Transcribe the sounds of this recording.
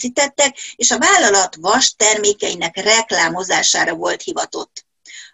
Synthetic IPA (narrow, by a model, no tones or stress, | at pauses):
siːt̪ɛt̪ːɛkeːʃɒvaːlːɒlɒt̪ʋɒʃt̪ɛrmeːkɛinɛkrɛklaːmo̞zaːʃaːɾɒvo̞lt̪hivɒt̪o̞̰t̪ː